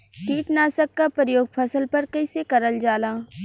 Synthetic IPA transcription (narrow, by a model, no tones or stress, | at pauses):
kiːʈnaːsəkːapəɾjoːɡ̚pʰɐsəlpɐɾkɐisekɐɾəld͡ʒaːlaː